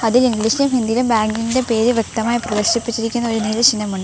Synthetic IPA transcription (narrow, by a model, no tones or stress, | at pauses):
ɐðiliŋɡliɕilumhind̪ijilumbaːŋɡiŋinde̞pe̞ːɾɨʋjek̚t̪ɐmaːjiprɐd̪ɐɕipːit͡ɕːiɾikʲːunːɐoɾuneːlɐɕinɐmuɳɖɨ